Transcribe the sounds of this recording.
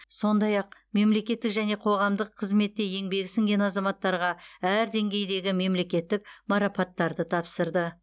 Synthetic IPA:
so̞nd̪ɑjɑq̚me̞mle̞kʲe̞t̪ːɪkʒæne̞qʰo̞ʁɑmd̪əqʰːəzme̞t̪ːe̞je̞ŋbe̞ɡʲɪsɪŋɡʲe̞nɑzɑmɑt̪ːɑɾʁɑæɾd̪e̞ŋɡʲe̞jd̪e̞ɡʲɪme̞mle̞kʲe̞t̪ːɪk̚mɑɾɑpɑt̪ːɑɾd̪ət̪ʰɑpsəɾd̪ə

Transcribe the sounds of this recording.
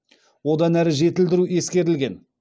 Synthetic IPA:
wo̞d̪ɑnæɾɪʒe̞t̪ɪld̪ɪɾue̞skʲe̞ɾɪlɡʲe̞n

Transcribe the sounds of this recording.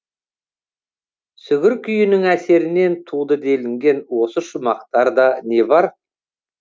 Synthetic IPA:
sʏɡʲɪɾkʲʰʏjɪnɪŋæse̞ɾɪne̞nt̪ʰud̪əd̪e̞lɪŋɡʲe̞nwo̞səʃʊmɑq̚t̪ɑɾd̪ɑne̞bɑɾ

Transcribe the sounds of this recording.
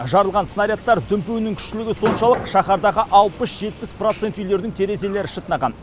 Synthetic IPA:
ʒɑɾəlˠʁɑnsənɑɾʲjat̪ːɑɾd̪ʏmpewɪnɪŋkʲʰʏ̥ʃtɪlɪɡʲɪso̞nʃɑlˠəqʃɑχɑɾd̪ɑʁəʔɑlˠpəsʒ̥e̞t̪̚pɪspro̞t̪se̞nt̪ʏjle̞ɾd̪ɪŋt̪ʰe̞ɾe̞ze̞le̞ɾɪʃət̪ənɑʁɑn

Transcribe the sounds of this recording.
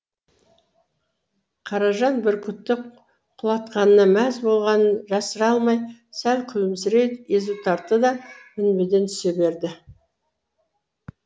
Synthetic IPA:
qʰɑɾɑʒɑnbɪɾkʲʰʏp̚t̪ːɪ | qʰʊlˠɑt̪̚qɑnənɑmæzbo̞lˠʁɑnənʒɑsəɾɑlˠmɑjsælkʲʰʏlɪms̬ɪɾe̞t̪e̞zut̪ʰɑɾt̪əd̪ɑmɪnbed̪e̞nt̪ʰʏ̥se̞be̞ɾd̪ɪ

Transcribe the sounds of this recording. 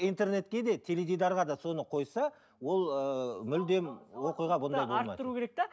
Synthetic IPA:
ijnt̪e̞rne̞t̪kʲe̞d̪e̞t̪ʲʰe̞levʲijd̪ɑɾʁɑd̪ɑso̞nəqʰo̞jsɑ | wo̞lˠəmʏld̪e̞mwo̞qijʁɑbond̪ɑjbomɑj̰d̪t̪əɾukʲʰeɾek̚t̪e

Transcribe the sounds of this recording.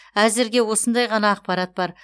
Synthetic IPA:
æzɪɾɡʲe̞wo̞sənd̪ɑjʁɑnɑːq̚pɑɾɑt̪̚bɑɾ

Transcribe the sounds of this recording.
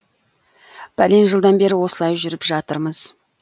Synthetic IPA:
b̥æle̞nʒəlˠd̪ɑnbe̞ɾɪwo̞səlˠɑjʒʏɾɪpʒɑt̪əɾməz̥

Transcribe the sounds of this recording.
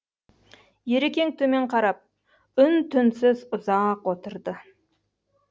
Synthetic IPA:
jeɾekʲe̞ŋ̚t̪ʰɵme̞ɴqʰɑɾɑp̚ | ʏnt̪ʰʏnsɪzʊzɑqwo̞t̪əɾd̪ə

